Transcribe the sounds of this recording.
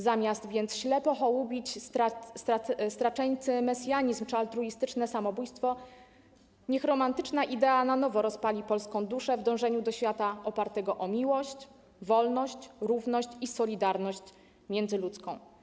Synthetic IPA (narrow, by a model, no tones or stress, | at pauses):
zamʲjast̪vʲjɛnt̪sɕlɛpɔxɔwubʲit͡ɕ̪ast̪ast̪ɾat͡ʂɛjt̪sɘmɛsʲjaɲizmt͡ʂalt̪ɾuist̪ɘt͡ʂnɛsamɔbujst̪fɔ | ɲɛxɾɔmant̪ɘt͡ʂnaʔid̪ɛananɔvɔɾɔspalʲipɔlskɔ̃w̃d̪uʂɛvd̪ɔ̃w̃ʐɛɲud̪ɔɕfʲjat̪aʔɔpaɾt̪ɛɡɔʔɔmʲiwɔɕt͡ɕ | vɔlnɔɕt͡ɕɾuvnɔɕt͡ɕisɔlʲid̪aɾnɔɕt͡ɕ | mʲjɛnzɘlut̪skɔ̃w̃